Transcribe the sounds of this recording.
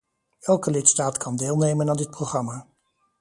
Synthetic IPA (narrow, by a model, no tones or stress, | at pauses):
ɛlˠkəlɪtstaːtkʰɑndeːlˠnejmənaːndɪt̚proχrɑmaː